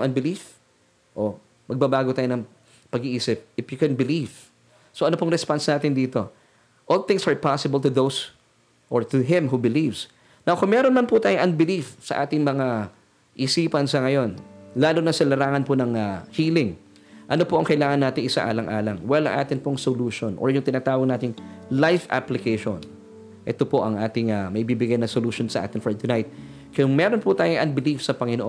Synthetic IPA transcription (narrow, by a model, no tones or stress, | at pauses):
ŋʔɐnbɪlif | ʔo | mɐɡ̚bɐbaːɡot̪aːjonɐŋ | pɐɡiʔiːsɪp̚ɪfjʊkɛnbɪliv | soʔɐnopoŋɾɛspansnaːt̪ɪnd̪iːt̪o̞ | ʔolθɪ̃ŋsɐɹpasɪbɐlt̪ʊðows | ʔoɹt̪ʊɦɪ̃mɦubɪlivs | nawkʊŋmɛːɾonmɐnpʊt̪aːjoŋʔɐnbɪlifsɐ̰ʔaːt̪ɪŋmɐŋa | ʔɪsiːpɐnsɐŋɐjo̞nlaːlonɐsɐlɐɾaːŋɐnponɐŋɐhiːlɪŋ | ʔɐno̞poʔɐŋkɐɪlaːŋɐnːaːt̪ɪŋʔɪsa̰ʔa̰ːlɐŋʔa̰ːlɐŋwɛlɐ̰ŋʔa̰ːt̪ɪnpoŋsoluːʃonʔo̰ɹjʊŋt̪ɪnaːt̪aːwɐɡ̚naːt̪ɪŋlajfa̰plɪkɛjʃo̰n | ʔɛ̰t̪opo̞ʔɐŋʔaːt̪ɪŋɐmɐʔɪbiːbɪɡajnɐŋsoluːʃonsɐʔa̰ːt̪ɪnfoɹt̪ʊnajt̪̚ | kɐjʊŋmɛɾonpʊt̪aːjoŋʔɐ̰nbɪlifsɐpɐŋɪnoʔo